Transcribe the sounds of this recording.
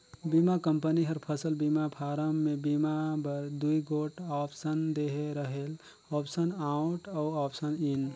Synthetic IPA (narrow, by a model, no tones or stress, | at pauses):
bimakəmpəniɦəɾpʰəsəlbimapʰaɾəmːebimabəɾd̪uiɡoʈɔpʰsənd̪eɦeɾəɦel | ɔpʰsənauʈauɔpʰsənin